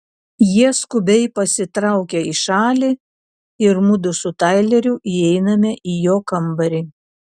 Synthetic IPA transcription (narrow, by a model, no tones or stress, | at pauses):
jiɛskʊbʲɛɪpɐsʲɪt̪ɾɑˑʊkʲɛiʃɑːlʲiː | ɪɾmʊd̪ʊsʊt̪ɑˑɪlʲɛɾʲʊʔiɛɪnɐmʲɛʔijoːkɐmbɐɾʲi